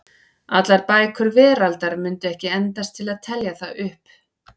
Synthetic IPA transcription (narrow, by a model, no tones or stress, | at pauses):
at̪laɾpaːjkʰʏɾvɛːɾalt̪aɾmʏnt̪ʏɛhcɪɛnt̪ast̪ʰɪlaðt̪ʰɛljaθaðʏhp